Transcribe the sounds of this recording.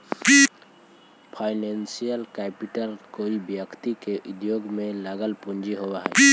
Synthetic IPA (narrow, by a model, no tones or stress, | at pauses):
pʰaːɪnensijəlkɛpiʈəlkoːibjəkt̪ikeʔʊd̪joːɡmẽləɡəlpʊ̃nd͡ʒiɦowaɦɛ̰